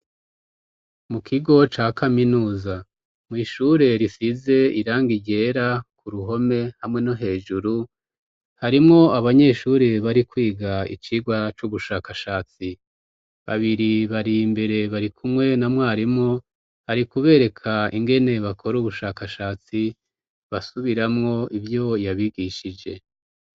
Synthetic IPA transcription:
mukʰiɡo̞t͡ʃaːkaminuːza | mŋiːʃuɾe̞ɾisize̞iɾaːŋɡiɟe̞ːɾakuɾuɦo̞me̞hamŋe̞no̞ɦe̞ːʒuɾu | haɾimŋo̞aβaɲe̞ːʃuɾeβaɾikwiːɡaḭt͡ʃiːɡwat͡ʃuβuʃaːkaʃaːt͡si | βa̰βiɾiβaɾimbe̞ɾe̞βaɾikʰumŋe̞namwaːɾimŋo | haɾikuβe̞ːɾe̞kʰaiŋɡe̞ne̞βakʰo̞ɾuβuʃaːkaʃaːt͡si | βasuβiɾamŋo̞ivjo̞jaβiɡiʃid͡ʒe̞̰

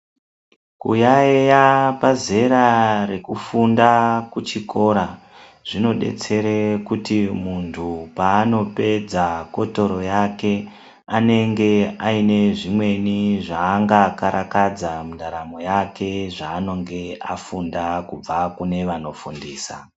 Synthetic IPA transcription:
kṵjaejapaze̞ɾare̞kufundakut͡ʃiko̞ɾa | ʐ̥ino̞ɗe̞̰t͡se̞ɾekutimuntʰupaːno̞pe̞d͡zako̞to̞ɾo̞jake̞ | ane̞ŋɡe̞aine̞ʐimwe̞niʐaːŋɡakaɾʔakad͡zamuɗaɾamo̞jake̞ʐaːno̞ŋɡe̞afundakub͡vakune̞ʋano̞fundiːsa̰

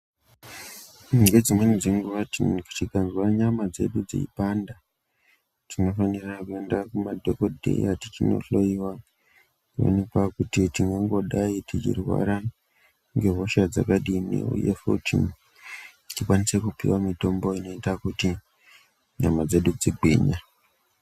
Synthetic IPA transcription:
ŋɡed͡zimwe̞nid͡ziŋɡuʋatiku̥tikanzwaɲamad͡ze̞̰ɗud͡zḛḭpanda | tino̞fanirakue̞ndakumadʱo̞ko̞dʱḛjatit͡ʃino̞̰ɬo̞jiwa | o̰nepwakutitiŋɡoŋɡo̞ɗaitit͡ʃḭrwa̰ɾa | ŋɡe̞ɦoʃad͡za̰kaɗinḭṵjḛfo̰tḭm | tikwanise̞kupḭwamito̞mbo̞ino̞itakuti | ɲamad͡ze̞ɗud͡ziɡʱwḛːɲa

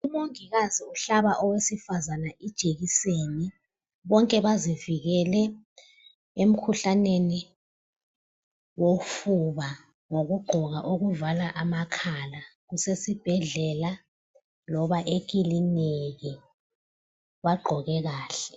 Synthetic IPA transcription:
umoŋiɣaziuɬaβaʔɔwesifazanaʔid̥ʒ̥ʼʱeɣ̬iseːni | ɓɔŋkʼɛβaziviɣ̬ɛlɛ | em̩kʰuɬaneni | wofuβa | ŋoɣ̬uɡ͡ǃʱɔɣaʔuɣuvalaʔamakʰalaɣusesib̥ʱɛɮɛla | lɔβaʔekilineki | waɡ͡ǃʱɔɣɛɣaːɬɛ̥

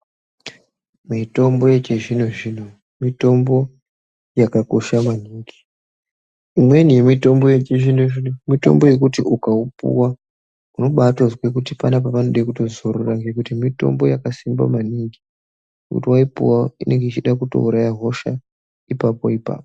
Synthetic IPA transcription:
mito̞mbo̞jet͡ʃeʐinoʐin̤u | mito̞mbo̞ | jakako̞ʃamwaniːŋɡi | imwe̞nije̞mito̞mbo̞jet͡ʃeʐin̤oinumito̞̰mbo̞je̞k̬utiʔukaupṵwa | uno̞ɓatozwekutipanap̬apanoɗaikuto̞zoɾuraŋɡekutimito̞̰mbojakasimba̰maniŋɡi | nekṵtiwaipṵwaine̞ŋɡeit͡ʃiɗakuto̞̰uɾajaɦo̞ʃa̰ | ipapo̞̰ipa̰ːpo

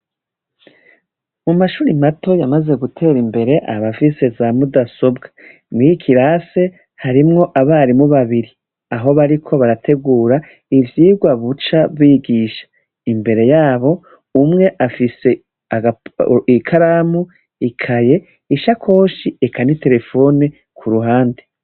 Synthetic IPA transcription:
mumaʃuːɾimato̞jamaze̞ɡutʰe̞ːɾimbe̞ɾe̞ʔa̰βafise̞zamudaso̞bɡḁ | mɡikʰiɾase̞ | haɾimŋo̞ʔaβaɾimuβaβiɾi | aɦo̞βaɾikʰo̞βaɾatʰe̞ɡuːɾa | ivjiːɡwaβut͡ʃaβwiɡiʃḁ | imbe̞ɾe̞jaːβo̞ | umŋe̞ʔafise̞ | aaikʰaɾamu | ikʰaje̞ | iʃakʰo̞ːʃiekʰanite̞ɾe̞fo̞ne | kʰuɾuɦaːndi

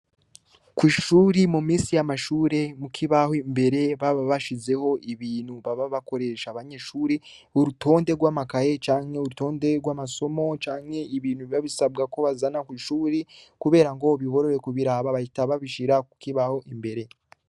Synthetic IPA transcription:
kwiːʃuːɾimumiːsijamaʃuːɾe̞mukʰiβahoimbe̞ɾe̞βaβaβaʃize̞ho̞ʔiβiːn̥huβaβaβako̞ɾe̞ʃaβaɲeʃuːɾeuɾutʰo̞ːnde̞ɾɡwaːmakaje̞t͡ʃaːŋhe̞uɾuto̞ːnde̞ɾɡwaːmaso̞mo̞t͡ʃaːŋhe̞iβiːn̥huβaβisab̚ɡako̞βazanakwiːʃuːɾikuβe̞ːɾaŋɡo̞βiβo̞ɾo̞ɾe̞kuβiɾaːβaβaitaβaβiʃiɾakukiβaho̞ʔimbe̞ɾe̞

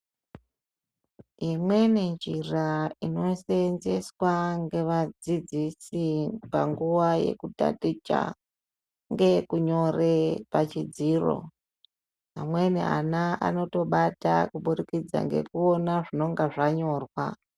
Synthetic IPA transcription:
imwe̞nend͡ʒiraino̞senze̞swaŋɡe̞ʋad͡zid͡zisipa̰ŋɡuʋaje̞̰kuta̰tit͡ʃa̰ | ŋɡe̞kuɲo̞repat͡ʃid͡ziro̞̰ | ɦamwe̞nḭa̰naʔa̰no̞to̞ɓata̰kuɓuɾikid͡za̰ŋɡe̞̰kuo̞naʐino̞ŋɡaʐaɲo̞ːrwa̰

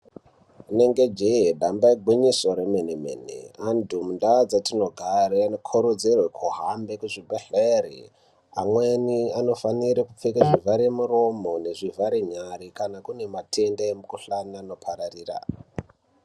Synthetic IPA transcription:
une̞ŋɡed͡ʒeɦeɗambaiɡʱwiɲiso̞ɾemenemḛnḛandʱumundad͡zatino̞ɡʱaɾeanokʰoɾod͡zerwekʰuɦambe̞kuʐibeɬerḭ | a̰mweniano̞faniɾikup͡fekaʐivaɾemuro̞mo̞ne̞ʐivaɾeɲaɾikanakune̞matʰe̞ndaemukuɬanano̞pʰaɾariːra̰

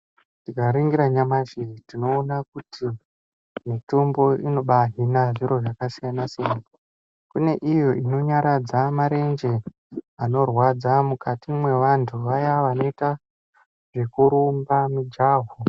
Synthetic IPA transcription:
tiɡaɾiŋɡiɾaɲamaʃiitino̞ːnakutʰi | mitombo̞ino̞ɓaɦinaʐiɾo̞ʐakasijanasijana | kune̞ʔijo̞ino̞ɲaɾad͡zamaɾe̞nd͡ʒe̞ | ano̞rwad͡zamukatimwe̞ʋantʰuʋajaʋano̞ita | ʐe̞kuɾumbamid͡ʒaːɦo

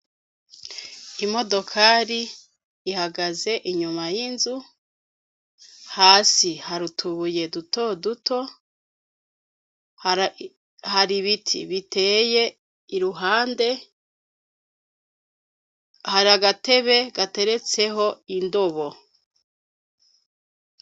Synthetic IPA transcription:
imo̞do̞kʰaɾiː | haɡaze̞ʔiɲumajinzu | haːsihaɾutʰuβuje̞duto̞duto̞ | haɾiβitʰḭβitʰe̞ːje̞ | iɾuɦaːnde̞ | haɾaɡate̞βe̞ɡate̞ɾe̞t͡se̞ɦo̞indo̞βo̞

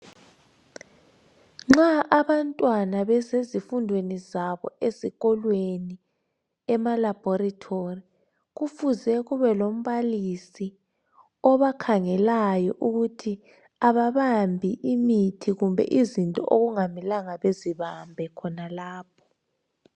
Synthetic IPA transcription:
ŋ͡ǁaʔaβantʼwanaβɛzezifundʱwenizaβɔ̰eziɣɔlweni | ɛmalab̥ʱɔɾatʰori | ɣufuzɛɣuβɛlom̩βalisi | ɔβakʰaŋɛlajɔʔuɣutʰi | aβaβambʱiʔimitʰiɣumbʱɛ̰ʔizintʼɔ̰ʔoɣuŋamilaŋaβeziβambʱɛkʰɔnalaːp̚ʰɔ̥

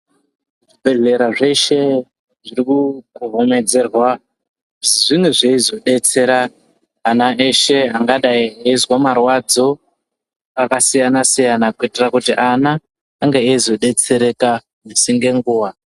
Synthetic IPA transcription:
ʐibʱe̞ɮe̞ɾaʐe̞ʃe̞ | ʐiɾikuuɦome̞d͡ze̞rwa | ʐimweʐeizo̞ɗe̞t͡se̞ɾaː | naʔe̞ʃe̞ɦaŋɡaɗaieizwamarwad͡zo̞ | akasijanasijanakuitirakutiʔanaː | ŋɡeeizo̞ɗe̞t͡se̞ɾe̞ka | musiŋɡe̞ŋɡuːwa

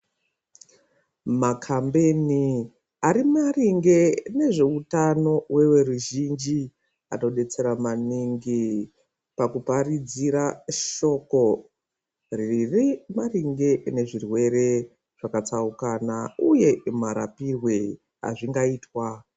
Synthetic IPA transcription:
makʰambe̞ni | aɾimariŋɡe̞ne̞ʐe̞utano̞we̞we̞ruʒind͡ʒi | a̰no̞ɗe̞t͡se̞ɾamaniŋɡi | pakuparid͡ziɾaʃo̞ko̞ | riirimariŋɡe̞ne̞ʐirwe̞re̞ | ʐ̥akat͡saukanauje̞maɾa̰pirwe̞ | a̰ʐiŋɡaiːtwa

